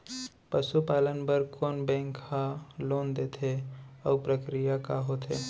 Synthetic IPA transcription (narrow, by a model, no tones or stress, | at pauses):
pəʃupaːlənbəɾkoːnbɛ̃ːŋkhaloːnd̪eːt̪ʰeɔːpɾəkɾijakaɦot̪ɦḛː